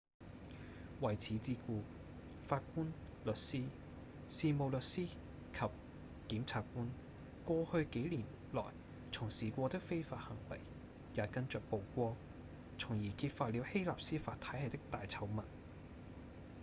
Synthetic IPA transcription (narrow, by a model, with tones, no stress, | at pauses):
wɐ˨˩jt͡sʰiː˨˥t͡siː˧kuː˧ | faː˧t̚kuː˥n | lɵ˨t̚siː˥ | siː˧mo˨˧wlɵ˨t̚siː˥ | kʰɐ˨p̚ | kiː˨˥mt͡sʰaː˧kkuː˥n | kʷɔː˧hɵ˧ɥke˨˥jliː˨˩n | lɔ̰ː˨˩j | t͡sʰʊ˨˩ŋsiː˨kʷɔː˧t̪ɪ˥k̚fe˥jfaː˧t̚hɐ˨˩ŋpɐ˨j | jaː˨˥kɐ˥nt͡ʃœː˨k̚po˨wkʷɔː˥ | t͡sʰʊ˨˩ŋjiː˨˩kʰiː˧t̚faː˧t̚li˨˧whe˥jlaː˨p̚siː˥faː˧t̪ʰːɐ˨˥ɦɐ˨jt̪ɪ˥k̚t̪aː˨jt͡sʰɐ˨˥wmɐ˨˩n